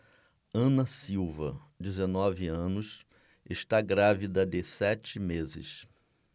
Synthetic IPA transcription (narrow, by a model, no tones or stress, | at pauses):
ɐ̃nɐsiwvɐ̰d͡ʒɪzenɔvɪɐ̃nʊs | eʃt̪aɡɾavid̪ɐd̪ɪsɛt͡ʃɪmezɪ̰s